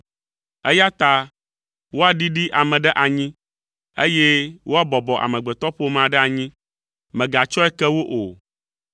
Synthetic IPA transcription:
e˦ja˦t̪a˦ | wo˦a˨ɖi˦ɖi˦ʔa˨mɛ̃˨ɖɛ˦ʔa˨ɲĩ˦ | e˦je˦wʔo˦a˦bɔ˨bɔ˨ʔa̰˨mɛ̃˨ɡ͡bɛ˨t̪ɔ˦ɸo˦mã˨ɖɛ˦a˨ɲĩ˦ | mɛ̃˨ɡa˨t͡ʃɔ˦ɛ˦kɛ˦wo˦ʔo˨

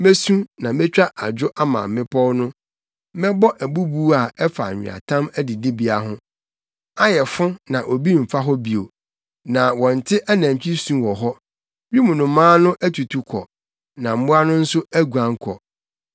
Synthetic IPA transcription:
me˦sũ˦nã˨mɪ̃˦t͡ɕᶣa˦ʔa˨d͡ʑᶣʊ˦ʔa˦mã̰˨mː˨˦ɪ̃˦pʰɔ˦wnʊ̃˦ | mɛ̃˦bɔ˦ʔæ˨bu˦buː˦a˨ɛ˦fa˨ɲᶣɪ̰̃˨a̰˨tʰã˦mæ˦di˨di˦bi˨a˨ɦʊ̃˦ | a˦jɛ˨fʊ̃˦nã˨ʔo˨bi˦m̩˨fa˦ɦɔ˦bi˨o˨ | nã˨wɔ̃˨n̩˨tʰɪ˦ʔa˦næ̃˨ɲ˨t͡ɕᶣi˦sũ˦wɔ˨ɦɔ˦ | bi˦mʊ̃˨nʊ̃˨mãː˦nʊ̃˦ʔæ˦tʰu˨tʰu˨kʰɔ̰˨ | nã˨m̩˦bʊ̃˦a˦nʊ̃˦n̩˦sʊ˦æ˦ɡu˨ã˨ŋ˦kʰɔ̰˨

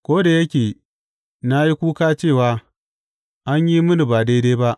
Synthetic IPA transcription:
kʷoː˦da˨jɐ˦kʲeː˨ | na˦ji˦kʷuː˦kaː˦t͡ʃeː˦˨waː˨˦ | ʔa˦ɲji˦mʊ˦nu˨baː˨de˦deː˦ba˦ʔ

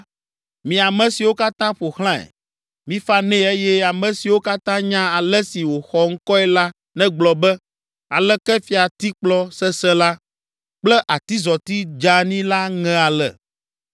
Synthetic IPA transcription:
mĩ˨a˨mɛ̃˨si˨wo˦ka˦t̪ã˦ɸo˨xl̃ã˦ɛ̰˨ | mĩ˦fa˦nɛ̃˦e˦jɛ˦a˨mɛ̃˨si˨wo˦ka˦t̪ã˦ɲã˦a˨lɛ˦si˨wo˨xɔ˦ŋ̩˦kɔ˦ɛ˦la˦ | nɛ̃˦ɡ͡blɔ˨bɛ˦ | a˨lɛ˦kɛ˦fi˨a˨t̪i˦k͡plɔ˦sɛ˦sɛ˦la˦ | k͡plɛ˦ʔa˨t̪i˦zɔ˨t̪i˦d͡ʒa˦nĩ˦la˦ŋɛ̃˦a˨lɛ̰˨

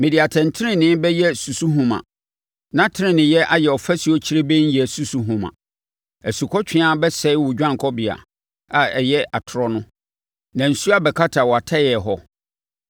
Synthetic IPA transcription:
mɪ̃˨di˨a˨tʰɛ̃˨n˨tʰɪ˦ɾɪ̃˨nɪ̃˦bɛ˦jɛ˦su˨su˦ɦũ˦mã̰˨ | nã˦tʰɪ˦nɪ̃˦nɪ̃˨jɛ˦ʔa˨jɛ˨ɔ˨fæ˦si˨ɔ˦t͡ɕʰi˦ɾe˦bɛ˦ɲ̩˦jɛ˨su˦su˦ɦũ˨mã̰˨ | æ˨su˨kʰɔ˦t͡ɕᶣɪ̃˦a˦bɛ˦sɛ˦ɪ˦wʊ˨d͡ʑᶣã˦ŋ˨kʰɔ˦bɪ˨a̰˨ | a˨ɛ˨jɛ˦ʔa˨tʰʊ˨ɾɔ˦nʊ̃˦ | nã˨n̩˨su˦a˦bɛ˨kʰa˦tʰa˨wɔ˨a˨tʰa˦jɛ˨ɦɔ˦

